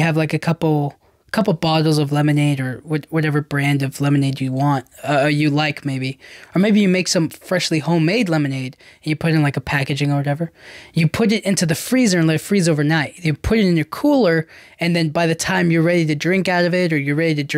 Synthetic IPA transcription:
ɨvlaɪkɨkʰʌpl̩ˠ | kʰʌpl̩ˠbɑɾl̩ˠzʌvlɛmɨneɪɾə˞wʌtwʌɾɛvə˞bɹæ̃ndʌvlɛmɨneɪdjɨwɑ̃nt̚ʌjɨlaɪkmeɪbiə˞meɪbijɨmeɪksʌ̃mfɹɛʃlihõʊ̃meɪdˡlɛmɨneɪɾɨ̃n̩jɨpʰʊɾɨ̃n̩laɪkəpʰækɨd͡ʒɪ̃ŋə˞wʌɾɛvə˞jɨpʰʊɾɨɾɪ̃ntʉðɨfɹizə˞ɨ̃nlɛtfɹizoʊvə˞naɪʔ̚jɨpʰʊɾɨɾɨ̃n̩jə˞kʰulˠə˞ | ɨ̃nðɨ̃nbaɪðɨtʰãɪ̃mjə˞ɹɛɾiɾɨdɹɪ̃ŋkaʊɾʌvɪɾə˞jə˞ɹɛɾiɾɨd

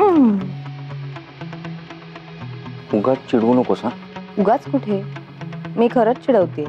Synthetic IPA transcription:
kuɡat͡st͡ɕiɽunokosã | uɡat͡skuʈʰe | miːkʰəɾət͡st͡ɕiɽəʋt̪e

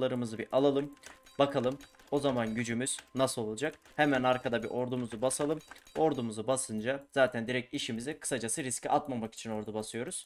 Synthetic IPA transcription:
lˠaɾɯmɯzɯbiʔalˠalˠɯmbakʰalˠɯmo̞zamanɟyd͡ʒymyz̥nasɯolˠlˠd͡ʒak̚ | hɛmænaɾkʰad̪abiɾʔo̞ɾd̪umuzubasalˠɯmo̞ɾd̪umuzubasɯnd͡ʒaz̥aːt̪ʰænd̪iɾɛc̚iʃimizɛkʰɯ̥sad͡ʒasɯɾiscʲiʔat̪mamaki̥t͡ʃʰino̞ɾd̪ubasɯjo̞ɾuz̥

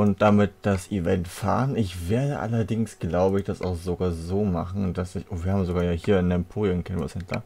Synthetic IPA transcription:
ʔʊnt̚d̥amɪt̚d̥asʔivɛntfa̰ːʁənɪçv̥eːɐdəʔa̰lɐdɪŋsɡ̥laʊbəɪçd̥asa̰ʊxz̥oɡaːɐzoːmaχn̩d̥asɪçʔoːviːɐhaːmzoɡaːɐjaːhiːɐɪnɛmpʰoːʁiʊkʰɛnvo̰sɛntlaɐ̰

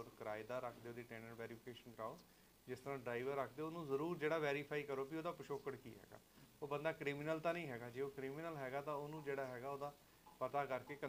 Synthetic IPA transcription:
ɾkəɾaːɪd̪aːɾəkʰd̪eːoːd̪iːʈɛ̃ːnəɳʋɛːɾiːpʰɪkeːʃənɡɾaːo | d͡ʒɪst̪əɾãːɖɾaːɪʋəɾːəkʰd̪eːoːnũːzəɾuːɾd͡ʒeːɽaːʋɛːɾiːpʰaːiːkəɾoːpioːd̪aːpəʃoːkəɽkḭːɦɛ̰ːɡa̰ːoːbənd̪aːkɾiːmɪnəlt̪ãːnəĩːɦɛːɡaːd͡ʒeːoːkɾiːmɪnəlɦɛːɡaːt̪ãːoːnũːd͡ʒeːɽaːɦɛːɡaːoːd̪aː | pət̪aːkəɾkeːkə

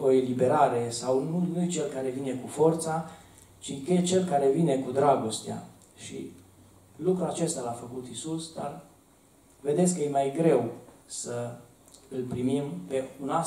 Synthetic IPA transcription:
o̞elibe̞ɾaɾe̞sawnunujt͡ʃe̞lkaɾe̞vine̞kufo̞rt̪sa | t͡ʃiket͡ʃe̞lkaɾe̞vine̞kud̪ɾaɡo̞st̪ea̰ | ʃḭ | lukɾuat͡ʃe̞st̪alafəkut̪isusd̪ar | ve̞d̪et̪s̬kːəjemajɡɾe̞wsə | ɨlpɾimimpe̞una

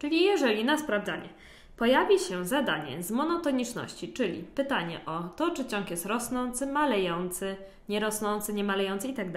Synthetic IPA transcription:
t͡ʂɘlʲijɛʐɛlʲinaspɾavd̪zaɲɛ | pɔjavʲiɕɛzad̪aɲɛ̰zmɔnɔt̪ɔɲit͡ʂnɔ̰ɕt͡ɕit͡ʂɘlʲḭpɘt̪aɲɛ̰ʔɔt̪ɔt͡ʂɘt͡ɕɔ̃ŋkjɛst̪ɾɔsnɔnt̪sɘmalɛjɔnt̪sɘ | ɲɛɾɔsnɔnt̪sɘɲɛmalɛjɔnt̪sɘit̪aɡ̚d̪a

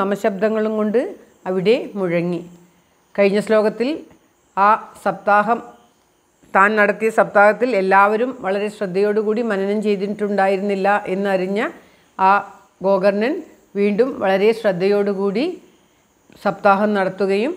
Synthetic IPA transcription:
ɐmɐɕɐb̚d̪ʱɐŋːɐɭumko̞ɳɖɨ | ɐʋiɽe̞muɻɐŋːi | kɐɻiɲːɐslo̞ːɡɐt̪ːil | aːsɐb̚t̪aːɦɐm | t̪aːnnɐɽɐt̪ːijɐsɐb̚t̪aːɦɐt̪ːile̞lːaːʋɐɾumʋɐɭɐɾeɕrɐd̪ʱːɐjo̞ːɽukuːɽimɐnɐnɐmt͡ɕe̞jt̪iniʈːuɳɖaːjiɾunːilːɐʔe̞nːɨɐɾiɲːɐ | aː | ɡo̞ːɡɐrnɐn | ʋiːɳɖumʋɐɭɐɾe̞ɕrɐd̪ʱːɐjo̞ːɽukuːɽi | sɐb̚t̪aːɦɐmnɐɽɐt̪ːuɣɐjum

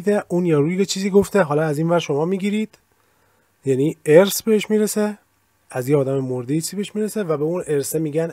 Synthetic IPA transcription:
d̪eʔuːnjɒɾuːjket͡ʃʰiːziːɡo̞ft̪eɦɒːlɒæziːnvæɾʃo̞mɒːmiːɡiːɾiːd̪̥ | jænieɾsbe̞eʃmiːɾese | æzjeɒːd̪æmemoɾd̪ejet͡ʃʰizibeeʃmiɾesevæbeunʔe̞ɾsemiːɡæn

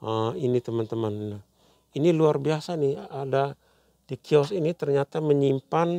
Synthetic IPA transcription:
ainit̪əmant̪əmannah | iniluarbiasaniada | dikʰiɔsinit̪ərɲat̪aməɲimpan

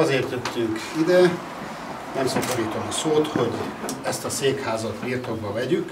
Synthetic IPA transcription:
ɒzeːrt̪jøt̪ːyŋkid̪ɛ | nɛmsɒkɒɾiːt̪o̞msoːt̪ho̞ɟɛst̪ɒseːkhaːzɒt̪birt̪o̞ɡ̚bɒvɛɟyk

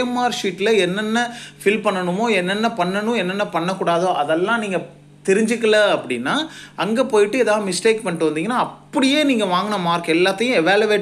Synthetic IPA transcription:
maːɾʂiːʈːlɐɛnːɛnːɐfɪlpɐɳːɐɳɯmoːɛnːɛnːɐpɐɳːɐnʊ̃ɛnːɛnːɐpɐɳːɐkːuːɽaːðoːʔɐðɛlːãːniːŋɡɐ | t̪ɛɾɪɲd͡ʒɯkːɐlɐɐpːɐɽɪnːaːʔɐŋɡeːpoːjɪʈːɯɛːðaːʋɐmɪsʈeːkpɐɳɪʈːɯʋɐnd̪iːŋɡɐnːaːɐpːɐɽɪjeːniːŋɡɐʋaːŋɡɐɳɐmaːɾkɐɛlːaːt̪ːɐjʊ̃ɛʋaːljuʋeːʈ

